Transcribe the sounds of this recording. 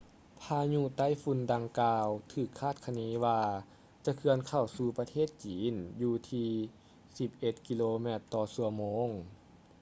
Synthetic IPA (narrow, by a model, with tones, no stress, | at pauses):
p̪ʰaː˧ɲu˧˨t̪a˧˥˨jfu˧nda˧ŋkaː˧wt̪ʰɯː˨˩kʰːaː˥˩t̪̚kʰa˧niː˧˦waː˧ | t͡ɕa˧˦kʰɯ˧ənkʰa˧˨˩wsuː˧pa˧t̪ʰeː˥˩t̪̚t͡ɕiː˨˦njuː˧t̪ʰiː˧ | si˧p̚ʔe˧˩t̪̚ki˧loː˧mɛː˧˩t̪ːɔː˧su˧˩ɐmoː˧˥ŋ